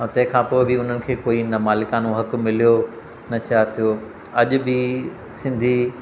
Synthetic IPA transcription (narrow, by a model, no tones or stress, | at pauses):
t̪ɐ̃ɦɪ̃kʰãːpoːɪbɪʊn̤ənɪ̆kʰeːkoːinɐmaːlɪkãːnoɦɐk̆mɪl̤ijo | nɐt͡ɕaːɦt̪ʰijoː | ɐʄʊ̆bi | sɪ̃nd̪ʱi